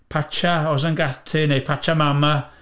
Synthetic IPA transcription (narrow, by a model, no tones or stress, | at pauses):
pʰat͡ʃaɔsanɡatʰɪnejpʰat͡ʃamama